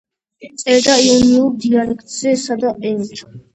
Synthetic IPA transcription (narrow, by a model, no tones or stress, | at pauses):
tt̪sʼɛɾd̪aiɔniuɾd̪ialɛkʰt̪ʼz̥ɛsad̪aʔɛnt̪ʰ